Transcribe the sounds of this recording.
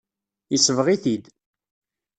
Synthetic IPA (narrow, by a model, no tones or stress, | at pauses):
əsəvʁiθid̪